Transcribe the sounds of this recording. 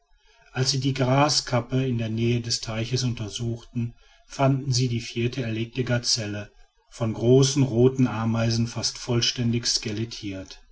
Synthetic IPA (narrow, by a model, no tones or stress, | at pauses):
ʔalsz̥iːdiːɡʁaːskʰapəɪndeːɐnɛːədɛstʰaɪçəsʊntɐzuːxtn̩ | fandn̩ziːdiːfiːɐtəɛɐleːk̚təɡaɐt͡sɛlə | fɔnɡʁoːsn̩ʁoːtn̩ʔaɐmaɪzn̩fastfɔlʃtɛndɪçskɛletʰiːɐt